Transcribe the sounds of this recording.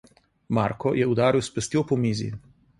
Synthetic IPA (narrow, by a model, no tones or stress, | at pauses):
maɾkɔjɛud̪aːɾiwspɛst̪iopɔmiːzḭ